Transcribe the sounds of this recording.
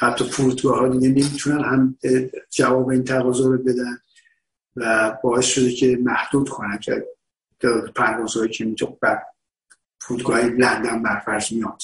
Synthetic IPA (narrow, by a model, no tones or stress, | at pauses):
hæt̪ʰːɒpʰuɾud̪ɡɒːɦɒːd̪iɡenemit̪ʰunænhæmed͡ʒævɒːbeiːnt̪ʰæɣɒːzoɾobe̞d̪æn | væbɒːe̞sʃod̪ecʰe̞mæhd̪̥uːd̪̥kʰonænkʰḛ | et̪ʰːeepʰæɾvɒːzhɒːjicʰemit̪ʰobæɾ | pʰuɾud̪ɡɒːhilænd̪æmbæɾfæɾd͡ʒmijɒnd̪